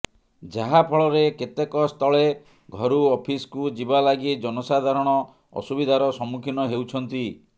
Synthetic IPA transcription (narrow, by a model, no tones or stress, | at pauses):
d͡ʒaɦapʰɔɭɔɾeket̪ekɔst̪ʰɔɭe | ɡʱɔɾuɔpʰiskud͡ʒibalaɡid͡ʒɔnɔsad̪ʱaɾɔɽ̃ɔ | ɔ̰subid̪ʱaɾɔsɔmukʰinɔɦewt͡ʃʰɔnt̪i